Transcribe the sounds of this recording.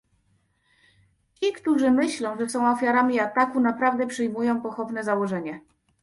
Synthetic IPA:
t͡ɕikt̪uʐɘmɘɕlɔ̃w̃ʐɛsɔ̃w̃ɔfʲjaɾamʲiat̪akunapɾavd̪ɛpʂɘjmujɔ̃w̃pɔxɔvn̪ɛzawɔʐɛɲɛ

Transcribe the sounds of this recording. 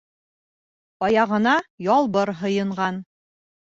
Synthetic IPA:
ɑjɑʁɤ̆nɑjɒlˠbɤɾɦɤ̆jɤ̆ɴʁɑn

